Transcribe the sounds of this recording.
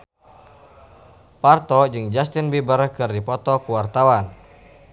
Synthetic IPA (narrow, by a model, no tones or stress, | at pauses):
part̪ɔd͡ʒɨŋd͡ʒast̪ɪnbibərkɨrdipɔt̪ɔkuwart̪awan